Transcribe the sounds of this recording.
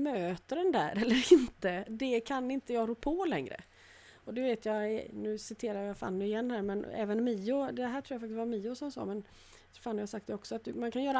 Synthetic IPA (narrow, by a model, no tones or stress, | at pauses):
møːt̪əɖɛnd̪æ̰ːɾɛlːəɾɪnt̪əd̪ɛkʰanːɪnt̪əjɑːɡɾuːpʰoːlɛŋɾə̰ | ɔd̪ɛveːt̪ʰjɑnʉ̟ːsɪt̪ʰeːɾajafa̰ːnːʉɪjɛnːhæːɾmɛnɛ̰ːvənmiːʊd̪ɛɦæːɾʈʰɾuːjafakt̪ɪst̪vaɾmiːʊsɔmsɑ̰ːmɛn | faːnːjasak̚t̪d̪ɛɔksɔat̪̚d̪ɵmankʰanjœːɾa